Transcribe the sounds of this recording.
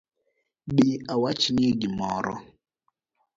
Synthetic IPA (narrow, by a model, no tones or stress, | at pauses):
ɓiawat͡ʃinieɡimɔɾɔ̰